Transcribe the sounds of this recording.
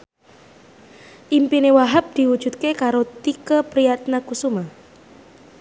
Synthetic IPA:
ʔimpinewaɦap̚d̪̥i̤wud̥ʒ̥ṳt̪̚kekaɾot̪ikəpɾijat̪nakusuma

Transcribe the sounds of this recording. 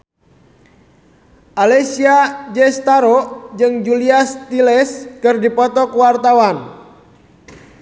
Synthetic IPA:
ʔalesiad͡ʒɛst̪aɾod͡ʒɨŋd͡ʒuliast̪ilɛskɨrdipɔt̪ɔkuwart̪awan

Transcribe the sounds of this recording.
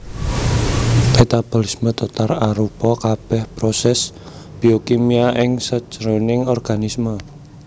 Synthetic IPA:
met̪ab̥o̤lismət̪ot̪araɾupɔkab̥ɛhpɾosɛs | b̥iokimiaʔɪŋsəd̥ʒ̥əɾonɪŋɔrɡ̥a̤nismə

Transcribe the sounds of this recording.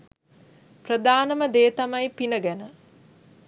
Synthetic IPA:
prəd̪aːnəməd̪eːt̪ɐmɐjpinəɡænə

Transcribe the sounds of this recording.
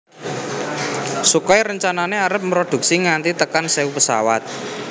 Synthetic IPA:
sukɔiɾəɲt͡ʃananeaɾəp̚mɾod̪̥ṳk̚siŋant̪it̪əkanseupəsa̰wa̰t̪̚

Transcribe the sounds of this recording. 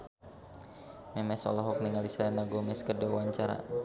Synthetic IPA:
mɛmɛsɔ̰lɔɦɔk̚niŋalisaɛnaɡomɛskədawaɲt͡ʃaɾa̰

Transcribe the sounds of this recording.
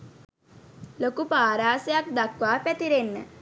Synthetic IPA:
lokupaːɾaːsəjak̚d̪akʋaːpæt̪iɾenːə̰

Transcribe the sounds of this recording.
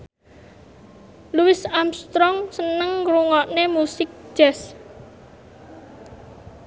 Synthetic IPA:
luwɪsamst̪ɾɔŋsənəŋɾuŋɔʔnemusɪk̚d͡ʒ̥ɛs

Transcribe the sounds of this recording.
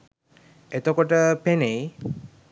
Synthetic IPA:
et̪okoʈəpenej

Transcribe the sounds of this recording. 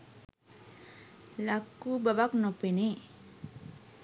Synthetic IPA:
lakːubabaknopene

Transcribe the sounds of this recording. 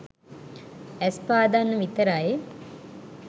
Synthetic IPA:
ɛspaːd̪anːəʋit̪əɾaje

